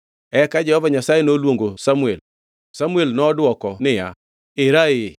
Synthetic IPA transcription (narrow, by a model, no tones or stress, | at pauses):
ɛkad͡ʒɛhɔvaɲasajenolwoŋɡosamwel | samuelnɔdwɔkɔnɪja | ɪɾaɪ